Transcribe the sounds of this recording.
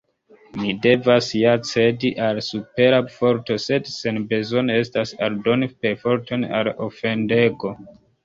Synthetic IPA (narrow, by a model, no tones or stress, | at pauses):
mide̞vasjat͡se̞diʔalsupe̞ɾafo̞ɾto̞se̞dsenbe̞zo̞ne̞stasaldo̞nipe̞fo̞ɾtʰo̞na̰lofe̞nde̞ɡo̞